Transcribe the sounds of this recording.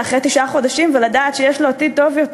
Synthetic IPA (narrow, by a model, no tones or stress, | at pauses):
aχʁet̪iʃʔaχo̞daʃimveladaːt̪ʃejeʃloatit̪o̞vjot